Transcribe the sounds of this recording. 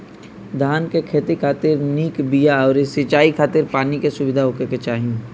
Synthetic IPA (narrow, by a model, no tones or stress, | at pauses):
d̪ʱaːnkekʰeːt̪ikʰaːt̪ɪɾniːkbijaɔːɾɪsit͡ʃaːikʰaːt̪ɪɾpaːnikesʊʋɪd̪ʱaɦʊkeket͡ʃaːɦĩ